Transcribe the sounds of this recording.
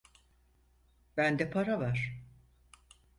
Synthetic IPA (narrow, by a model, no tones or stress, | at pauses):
b̥ænd̪ɛpʰaɾavaɾ̥